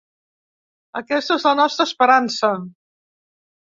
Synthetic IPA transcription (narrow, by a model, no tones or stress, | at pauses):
əkɛst̪əezlənɔst̪ɾəːspəɾansə